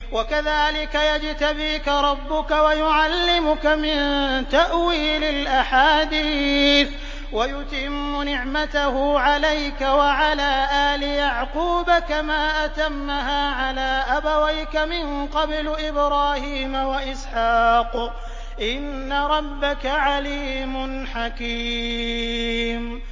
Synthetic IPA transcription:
wakaðaːlɪkajad͡ʒt̪abiːkaɾˤɑbːʊkawajʊʕalːɪmʊkamɪnt̪aʔwiːlɪlʔaħaːd̪iːθ | wajʊt̪ɪmːʊnɪʕmat̪ahʊʕalajkawaʕalaːʔaːlɪjaʕquːbakamaːʔat̪amːaɦaːʕalaːʔabawajkamɪnqɑblʔɪbɾɑːhiːmawaʔɪsħɑːq | ʔɪnːaɾˤɑbːakaʕaliːmʊnħakiː | m

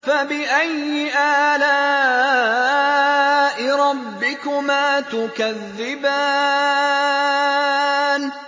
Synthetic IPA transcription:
fabɪʔajɪʔaːla | ʔɪɾˤɑbːɪkʊmaːt̪ʊkaðːɪbaː | n

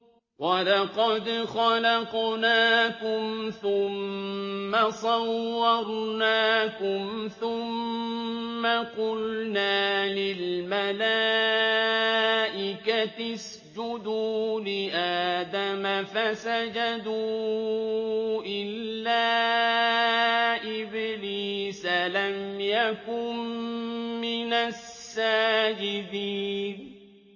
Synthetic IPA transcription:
wɑlɑqɑd̪xɑlɑqnaːkʊmθʊmː | asˤɑwːɑɾˤnaːkʊmθʊmː | aqʊlnaːlɪlmala | ʔɪkat̪as | d͡ʒʊd̪uːlɪʔaːd̪amafasad͡ʒad̪uː | ʔɪlːaː | ʔɪbliːsalamjakʊnmɪnasːaːd͡ʒɪd̪iːn

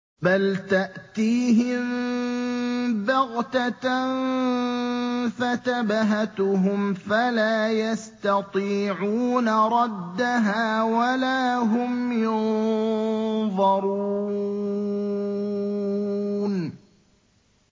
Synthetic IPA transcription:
balt̪aʔt̪iːɦɪm | bɑɣt̪a | fat̪abaɦat̪ɦʊmfalaːjast̪ɑt̪ˤiːʕuːnaɾˤɑd̪ːaɦaːwalaːɦʊmjʊn | ðˤɑɾu | n

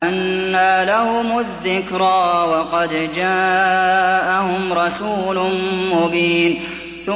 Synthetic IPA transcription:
ʔanːalahʊmʊðːɪkɾˤaːwɑqɑd̪d͡ʒaː | ʔahʊmɾˤɑsuːlʊmʊbiːn | θʊ

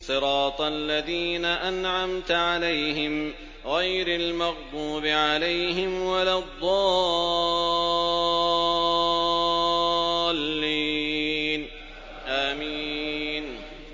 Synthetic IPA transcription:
sˤɨɾɑːt̪ˤalːaðiːnaʔanʕamt̪ʕalajɦɪm | ɣajɾalmɑɣbuːbɪʕalajhɪmwalad̪ˤːɑː | lːi | n | ʔaːmiːn

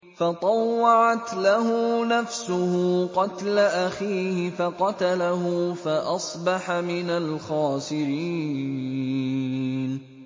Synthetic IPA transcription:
fɑt̪ˤɑwːɑʕat̪laɦʊnafsʊhʊqɑt̪laʔaxiːhɪfɑqɑt̪alaɦʊfaʔɑsˤbɑħamɪnalxaːsɪɾiː | n

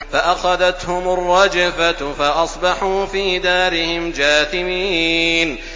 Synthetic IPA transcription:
faʔaxaðat̪hʊmʊrˤːɑd͡ʒafafaʔɑsˤbɑħuːfiːd̪aːɾɪhɪmd͡ʒaːθɪmiːn

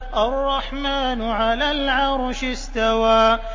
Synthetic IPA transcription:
ʔarˤːɑħmaːnʕalaːlʕɑɾˤʃɪst̪awaː

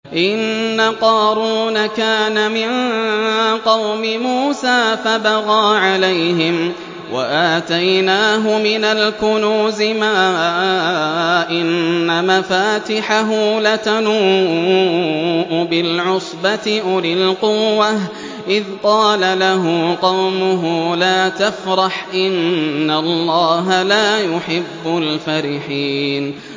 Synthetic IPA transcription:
ʔɪnːaqɑːɾuːnakaːnamɪn | qɑwmɪmuːsaːfabaɣaːʕalajhɪm | wa̰ʔaːt̪ajnaːɦʊmɪnalkʊnuːzɪmaː | ʔɪnːamafaːt̪ɪħaɦulat̪anuː | ʔbɪlʕʊsˤbat̪ɪʔʊlɪlqʊwːah | ʔɪðqɑːlalaɦʊqɑwmʊɦʊlaːt̪afɾˤɑħʔɪnːalˤːɑːɦalaːjʊħɪbːʊlfaɾɪħiːn

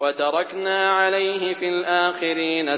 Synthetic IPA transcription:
wat̪ɑɾˤɑknaːʕalajɦɪfiːlʔaːxɪɾiːna

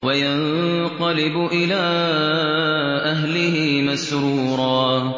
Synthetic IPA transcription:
wajanqɑlɪbʊʔɪlaː | ʔaɦlɪhɪmasɾuːɾˤɑː

